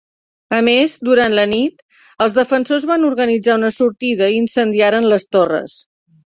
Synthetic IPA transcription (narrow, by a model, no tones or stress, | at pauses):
əmezd̪uɾant̪lənit̪ | əlˠzðəfənsozβanuɾɣənid͡zaunəsuɾt̪iðəiːnsənd̪iaɾənləst̪orə̰s